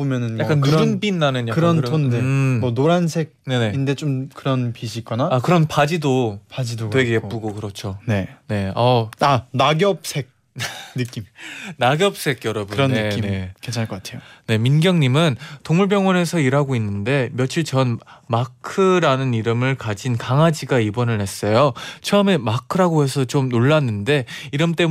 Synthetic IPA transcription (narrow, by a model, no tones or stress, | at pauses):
bomjʌnɯnjak͈anːuɾɯnbinːanɯnjakɯkɾʌntʰondemʌnoɾansʰe̞k̚ne̞ne̞inde̞t͡ɕomkɯɾʌnpiɕʰik͈ʌnaakɯɾʌnpad͡ʑidopad͡ʑidodwe̞ɡeepp͈uɡokɯɾʌt͡ɕʰone̞ne̞ʌanaɡjʌp̚s͈ʰek̚ | nɯk͈imnaɡjʌp̚s͈ʰe̞ɡjʌɾʌbuɾʌninekent͡ɕʰakʌk͈atʰeone̞minɡjʌŋɲimɯntoŋmuɭp̬jʌŋwʌne̞sʰʌiɾɦaɡoinːɯnde̞mjʌt͡ɕʰiɭt͡ɕʌnmakʰɯɾanɯniɾɯmɯɭkad͡ʑinkaŋad͡ʑiɡaibʌnɯɭe̞s͈ʌjot͡ɕʰʌʌme̞makʰɯɾaɡoɦe̞sʰʌt͡ɕomnoɭːanːɯnde̞iɾɯmt͈e̞